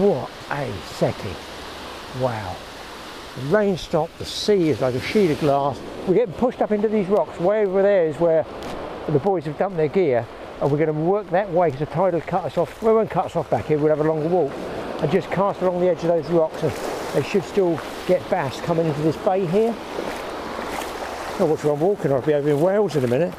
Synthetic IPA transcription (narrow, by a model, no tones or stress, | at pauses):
wʌɾʔəsɛkʰɪ̰̃ŋ | waʊ | əlẽɪ̃nstɑp̚ðəsiɪzlaɪkɨʃiɾəvɡlɑs | wiɡɛtn̩pʰʊʃtʌpɪ̃ntʉðizɹɑkswəɛʊvə˞ðə˞ɪzwə˞ | ðəbɔɪzə˞dʌ̃mp̪ðə˞ɡɪɹ | ə̃nwɨɡʌnəwɜ˞k̚ðɨʔ̚weɪkʰʌzɨtʰaɪɾl̩ˠkʰʌɾəsɔfwəwʌ̃nkʰʌtəsɔfb̥ækhɪəwiwlˠəvəlɔ̃ŋəwɔkə̃nd͡ʒʌskʰɑstəlɔ̃ŋðiɛd͡ʒʌvðoʊzɹɑksə̃nðeɪʃɨd̥stɪlˠ | ɡ̥ɛt̚b̥æskʰʌ̃mɪ̃ŋɪ̃ntʉðɪsb̥eɪɦɪɹ | oʊwʌt͡ʃəɹʌ̃nwɔˑkʰɨ̃nəbioʊvə˞ɨ̃nweɪlˠzɨ̃nɨmɪ̃nɨt̚